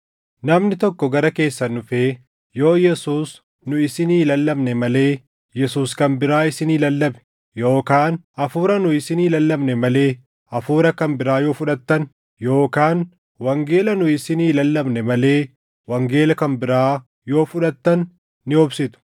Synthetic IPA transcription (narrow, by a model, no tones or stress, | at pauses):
nɐmnɪt̪ɔkːɔɡɐɾɐke̞ːsːɐnʊfe̞ː | jo̞ːjɛsuːs | nʊɪsɪniːlɐlːɐbnɛmɐle̞ː | jɛsuːskɐnbɪɾaːɪsɪniːlɐlːɐbɛ̥ | jo̞ːkaːnɐfuːɾɐnʊɪsɪniːlɐlːɐbnɛmɐle̞ː | ɐfuːɾɐkɐmbɪɾaːjo̞ːfʊᶑɐt̪ːɐn | jo̞ːkaːn | wɐŋɡe̞ːlɐnʊɪsɪniːlɐlːɐbnɛmɐle̞ː | wɐŋɡe̞ːlɐkɐmbɪɾaː | jo̞ːfʊᶑɐt̪ːɐnː | ɪɔbsɪt̪ʊ̥